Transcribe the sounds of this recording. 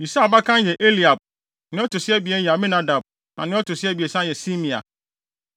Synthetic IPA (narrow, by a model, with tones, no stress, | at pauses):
bi˨sa˦˨ba˦kʰã˦n˦jɛ˨ʔe˦li˨a˨b̚ | nɪ̃˦ɔ˦tʰʊ˨sɪ˦ɛ˦bi˨ɛ˦n˦jɛ˨a˨mĩ˦nã˨˦da˨b̚ | nã̰˨nɪ̃˦ɔ˦tʰʊ˨sɪ˦ɛ˦bi˨ɛ˨sã˦jɛ˨si˦mĩ˨a̰˨